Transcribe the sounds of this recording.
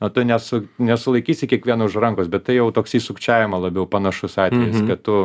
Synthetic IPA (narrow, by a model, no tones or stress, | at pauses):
ot̪ʊnʲɛsʊnʲɛsʊlˠɐɪkʲiːsʲɪkʲiɛkʋʲiɛnoʊʃrɐŋkoːsbʲɛt̪t̪ɐɪjɛʊt̪oːksiːsʊkt͡ʃʲæːʋʲɪmɐlˠɐbʲɛʊpɐnɐʃʊsɑːt̪ʲʋʲɛjɪskɐt̪t̪ʊ